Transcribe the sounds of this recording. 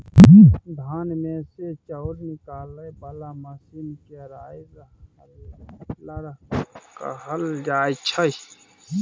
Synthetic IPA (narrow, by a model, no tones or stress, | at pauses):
d̪ʱaːnmeset͡ʃɐwɾnɪkaːlɐjbɐlamɐsinkeɾaːz | llɐɾka̰ɦɐld͡ʒaːjt͡ʃʰɐj